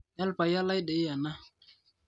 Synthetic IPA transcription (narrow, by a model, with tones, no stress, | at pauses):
ja˦lpa˨ja˦la˦jde˨i˦ja˨na˦